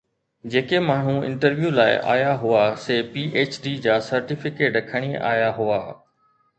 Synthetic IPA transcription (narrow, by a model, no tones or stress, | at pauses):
d͡ʑeːkemaːɳ̤ũɪ̰̃ɳʈəɾʋjuːlaːɪ̰ʔa̰ːjaɦʊaseːpiːʔeːt͡ɕɖiːd͡ʑaːsɐɾʈɪfɪkeːʈɾɐkʰəɽ̃ia̰ːjaɦʊaː